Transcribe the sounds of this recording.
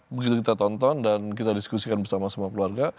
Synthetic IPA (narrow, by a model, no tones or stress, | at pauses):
bəɡit̪ukit̪at̪ɔnt̪ɔndankit̪adiskusikanbərsamasəmuakəluarɡa